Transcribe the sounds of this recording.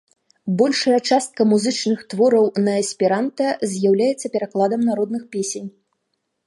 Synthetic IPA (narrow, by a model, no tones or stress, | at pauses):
bɔlʲʂɐjɐt͡ʂast̪̚kɐmuzɨt͡ʂnɨxt̪vɔɾɐwnɐɐsʲpʲiɾant̪ɐzʲjawlʲajɛt̪sːɐpʲɛɾaklˠad̪ɐmnaɾɔd̪nɨxpʲesʲenʲ